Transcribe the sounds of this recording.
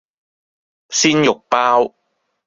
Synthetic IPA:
siː˥njʊ˨k̚paː˥w

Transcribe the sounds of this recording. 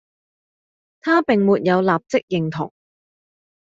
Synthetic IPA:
t̪ʰaː˥pɪ˨˩ŋmuː˨t̚jɐ˨˧wlaː˨p̚t͡sɪ˥k̚jɪ˨ŋt̪ʰʊ̰˨˩ŋ

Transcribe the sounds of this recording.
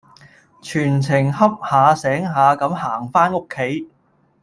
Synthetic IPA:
t͡ʃʰyː˨˩nt͡sʰɪ˨˩ŋɦɐ˥p̚haː˨˧sɛː˨˥ŋɦaː˨˧kɐ˨˥mhaː˨˩ŋfaː˥no˥kʰːe˨˥j

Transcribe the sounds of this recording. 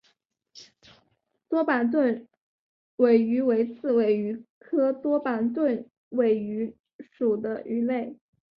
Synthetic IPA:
t̪wɔ˥pa˨˩nt̪̬wə˥˩n | we˨˩ɪy˧˥we˧˥ɪt͡sʰɹ̩˥˩we˨˩ɪy˧˥kʰɤ˥t̪wɔ˥pa˨˩nt̪wə˥˩n | we˨˩ɪy˧˥ | ʂu˨˩d̪ə˦ʔy˧˥le˥˩ɪ

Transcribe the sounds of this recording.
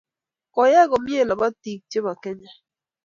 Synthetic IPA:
kɔ˨jɛ˦ɡɔ˨mje˦˨la˨ba˦ti˨k̚t͡ʃe˦ma˨kɛ˦ɲa˨

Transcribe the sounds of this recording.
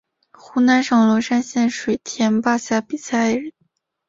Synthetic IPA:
xu˥na˧˥nʂɑ˨˩ŋlwɔ˧˥ʂa˥nɕjɛ˥˩nʂwe˨˩ɪt̪ʰjɛ˧˥npa˥˧ɕja˥˩pi˨˩sa˥˩ɪɻə˧˥˦n

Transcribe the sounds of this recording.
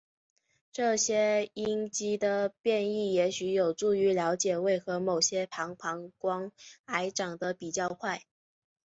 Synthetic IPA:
ʈ͡ʂɤ˥˩ɕjɛ˥i˥ŋt͡ɕi˥d̪ə˨pjɛ˥˧ni˥˩jɛ˧˥ɕy˧˥jo˨˩ʊʈ͡ʂu˥˩y˧˥ljɑ˧˥ʊt͡ɕjɛ˨˩we˥˩ɪxɤ˧˥mo˨˩ʊɕjɛ˥pʰɑ˧˥ŋpʰɑ˧˥ŋkwɑ˥ŋa˧˥ɪʈ͡ʂɑ˨˩ŋd̪ə˦pi˨˩t͡ɕjɑ˥˧ʊkʰwa˥˩ɪ

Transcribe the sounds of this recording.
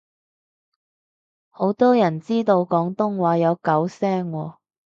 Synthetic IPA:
ho˨˥wt̪ɔː˥jɐ˨˩nt͡siː˥t̪o˧wkɔː˨˥ŋt̪ʊ˥ŋwaː˨˥jɐ˨˧wkɐ˨˥wsɛː˥ŋwɔː˧

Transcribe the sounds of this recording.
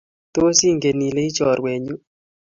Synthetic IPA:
t̪o˦si˦ŋɡe˨ni˨le˦i˦t͡ʃɔ˨ɾwe˨ɲu˦

